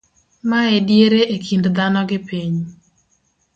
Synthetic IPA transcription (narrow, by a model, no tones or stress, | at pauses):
maɛdjeɾeʔekʰindd̪anɔɡɪpiɲ